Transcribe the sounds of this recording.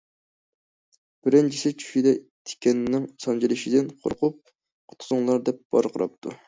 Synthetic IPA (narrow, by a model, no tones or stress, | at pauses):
b̥ɪɾɪnt͡ʃʰisɪt͡ʃʰy̥ʃid̪ɛt̪ʰe̥kʲɛnnɪŋsɑnd͡ʒilɪʃid̪ɪnqʰo̰ɾqʊp̚ | qʰʊ̥t̪ʰʊzʊŋlˠɑɾd̪ɛp̚b̥ɑ̰ɾqʰəɾɑ̰p̚t̪ʰṵ